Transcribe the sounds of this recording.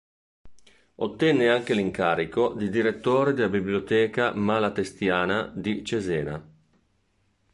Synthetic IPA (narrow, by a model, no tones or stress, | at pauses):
ot̪ːɛnːeaŋk̟eliŋkaːɾikod̪id̪iɾet̪ːoːɾed̪elabibljot̪ɛːkamalat̪est̪jaːnad̪it͡ʃezɛːna̰